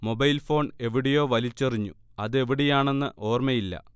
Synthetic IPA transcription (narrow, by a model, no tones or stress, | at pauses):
mo̞bɐjlfo̞ːɳe̞ʋiɽejo̞ːʋɐlit͡ɕːɐriɲːuɐðɨe̞ʋiɽejaːɳe̞nːɨʔo̞ːrmɐjilːɐ̰